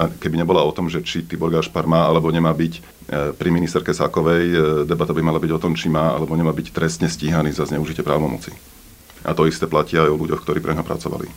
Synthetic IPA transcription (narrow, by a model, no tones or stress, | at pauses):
akɛbiɲɛbɔlaɔt̪ɔmʒɛt͡ʃit̪iːbɔɾɡaːʃpaɾmaːalɛbɔɲɛmaːbic | pɾiminist̪ɛɾkɛsa̰kɔʋɛjd̪ɛbat̪abimalabiɟɔt̪ɔmt͡ʃimaːa̰lɛbɔɲɛmaːbict̪ɾɛst̪ɲɛsciːɦaniːzazɲɛuʒicɪɛpɾaːʊʋɔmɔ̰t͡si | ʔa̰t̪ɔist̪ɛːplaciajɔluɟɔxkt̪ɔɾiːpɾʔɛɲɦɔpɾa̰t͡sɔʋa̰lḭ